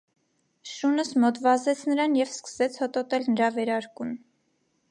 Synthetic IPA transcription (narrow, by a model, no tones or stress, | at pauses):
ʃunəsmɔt̪vɑzɛt͡sʰnəɾɑnjɛvskə̥sɛt͡sʰhɔt̪ɔt̪ɛlnəɾɑvɛɾɑɾkun